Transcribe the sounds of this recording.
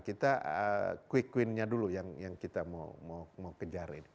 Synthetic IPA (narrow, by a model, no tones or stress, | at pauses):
kit̪aʔə̰kwikwɪnɲadulujaŋjaŋkit̪ama̰wmawmawkəd͡ʒaɾḭni